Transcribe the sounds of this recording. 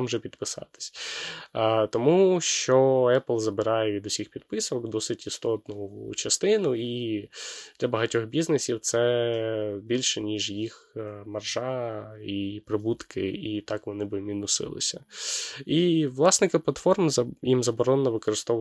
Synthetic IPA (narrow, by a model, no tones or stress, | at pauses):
mʒɛpʲid̪pɪsɑ̰t̪ɪ̥sʲ | t̪ɔmuʃt͡ʃɔɛplˠzɐbɪɾɑjɛʋʲid̪ʊsʲixpʲid̪̚pɪsɔkd̪ɔsɪtʲist̪ɔt̪nʊ̰ːt͡ʃɐst̪ɪnʊi | d̪̥lʲɐbɐɦɐtʲɔxbʲiznesʲiwt̪sɛ | bʲilʲʃɛnʲiʒjix | mɐrʒɑipɾɪbut̪kɪ̰it̪ɑkʋɔnɪbɪmʲinʊsɪ̰lˠɪ̰sʲɐ | iʋlˠɑsnɪkɪplˠɐt̪fɔrmjimzɐbɔɾɔnːɔʋɪkɔɾɪst̪ɔ